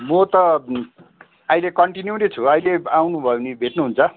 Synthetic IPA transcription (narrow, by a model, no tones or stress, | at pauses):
mot̪ʌ | ʌilekʌɳʈinjunet͡sʰuʌjleawnubʱʌenibʱeʈnuɦunt͡sʰʌ